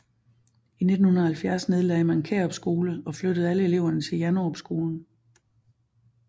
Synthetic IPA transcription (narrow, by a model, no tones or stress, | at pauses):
ine̝d̥n̩hunɐhælfjæɐsne̝ð̞ˠlɛɪmænnkʰeːɒ̽b̥sɡ̥o̝ːləɒ̽flød̥əð̞̩ˠæləele̝ʊ̰ɐnət͡sʰe̝ljænoɒb̥sɡ̥o̝ːln̩